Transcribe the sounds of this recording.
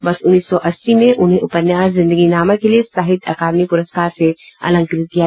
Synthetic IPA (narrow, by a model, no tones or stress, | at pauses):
bɐsʊnːiːsːɔʔɐsːimẽʔʊnɦẽʔʊpənjaːszɪ̃nd̪əɡinaːməkeliesaːɦɪd̪ɐkaːd̪mipʊɾəsɡaːɾseɐ̰lə̃ŋkɾɪt̪̚kija